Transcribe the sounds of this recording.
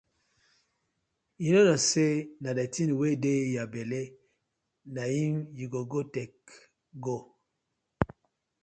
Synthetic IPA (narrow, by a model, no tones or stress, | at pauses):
inonasenadatinwedejabɛle | najinjiɡoɡotɛk | ɡo